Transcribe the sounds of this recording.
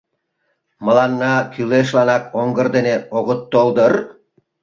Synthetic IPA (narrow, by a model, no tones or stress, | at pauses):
mə̆lɑnːɑkyleʃ̬lɑnɑkoŋɡə̆rd̪eneoɣət̪ːold̪ər